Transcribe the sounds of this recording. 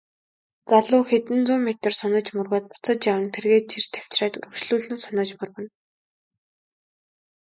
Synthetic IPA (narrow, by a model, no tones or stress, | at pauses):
t͡saɮʊːxet̪ɘ̆nt͡sʊːmet̪ə̆rsʊnə̆t͡ɕmɵrɣoːt̪̚pʊt͡sə̆t͡ɕjawə̆nt̪ʰerɣeːt̪̚t͡ɕʰirt̪ʰaw̥t͡ɕraːt̪ɵ̰ɾɵ̆kʃɮuːɮɘ̆nsʊnə̆t͡ɕmʊrɣɘ̆n